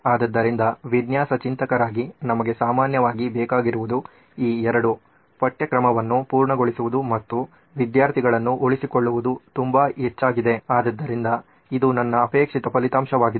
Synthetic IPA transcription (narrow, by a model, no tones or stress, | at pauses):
aːd̪ɐd̪ːɐɾind̪ɐʋid̪jaːsɐt͡ʃint̪ɐkɐɾaːɡinɐmɐɡe̞saːmaːnjɐʋaːɡibɛːkaːɡiɾuʋud̪u | iːɛɾɐɽu | pɐʈːjɐkɾɐmɐʋɐnːupuːɾɳɐɡoɭisuʋud̪umɐt̪ːu | ʋid̪jaːɾt̪ʰiɡɐɭɐnːuʔoɭisiko̞ɭːuʋud̪ut̪umbaet͡ʃːaːɡid̪e̞aːd̪ɐd̪ːɐɾind̪ɐ | id̪unɐnːɐːpeːkʂit̪ɐpɐlit̪aːmʃɐʋaːɡid̪